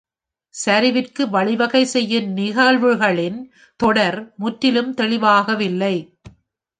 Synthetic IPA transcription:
sɐɾɪʋɪrkɯʋɐɭɪʋɐɣɐɪsɛjːɯnnɪɣaːɻʋɯɣɐɭɪn | t̪ɔɽɐɾmʊʈːɪlɯmt̪ɛɭɪʋaːɣɐʋɪlːɐɪ

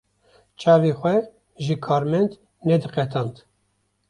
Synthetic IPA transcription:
t͡ʃʰɑːvexʷɛ | ʒɨkʰɑːɾmɛnd̪ | nɛd̪ɨqɛt̪ʰɑnt̪

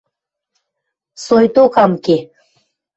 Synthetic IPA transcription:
sojt̪okɑmke

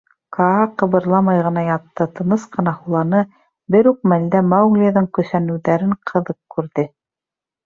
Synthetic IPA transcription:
kɑɑqɤ̆βɤ̆ɾlˠɑmɑjʁɤ̆nɑjɑt̪ːɤt̪ɤ̆nɤsqɤ̆nɑhulˠɑnɤ | bɘɾʉq̚mæld̪æmawɣlʲiðɤŋkɵ̆sænʉ̆wðæɾɘɴqʰɤ̆ðɤqkːʉɾðɘ

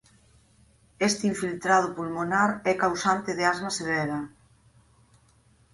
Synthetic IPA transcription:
ɛst̪iɱfilt̪ɾað̞ʊpulmonaɾɛkawsant̪ɪðeazmaseβ̞ɛɾɐ

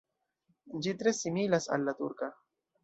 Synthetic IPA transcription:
d͡ʒit̪ɾesimilasa̰lːat̪ṵɾka

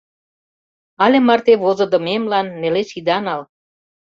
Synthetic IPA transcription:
ɑlʲĕmɑrt̪eβozɤ̆d̪ə̆memlɑnːelesid̪ɑnɑl

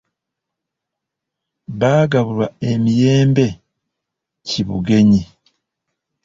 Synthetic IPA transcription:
βaːɡaβulwae̞mije̞ːmbe̞ | ciβṵɡe̞ɲi

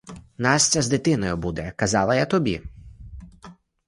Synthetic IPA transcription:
nɑsʲt͡sʲɐzd̪ɪt̪ɪnɔjʊbud̪ɛkɐzɑlˠɐjat̪ɔbʲi

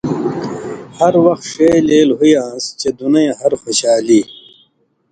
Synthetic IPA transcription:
hɐɾwɐxt̪ʂeleːlɦujãːst͡ɕed̪unɐẽɦɐɾxoɕaːliː

